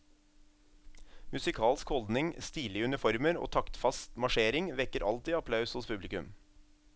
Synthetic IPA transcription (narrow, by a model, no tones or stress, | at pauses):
mʉsɪkʰɑːlskhɔld̪nɪŋst̪iːlɪʉnɪfɔɾməɾo̰ːt̪ʰɑkt̪fɑst̪mɑʃeːɾɪŋʋɛkəɾʔɑ̰lt̪iːɑpʰlɑʉshʊspʰʉblɪkʉm